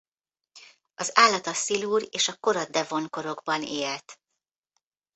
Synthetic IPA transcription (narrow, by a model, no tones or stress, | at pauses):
ɒzaːlːɒt̪ɒsiluːɾeːʃɒko̞ɾɒd̪ɛvo̞ŋko̞ɾo̞ɡbɒneːlt̪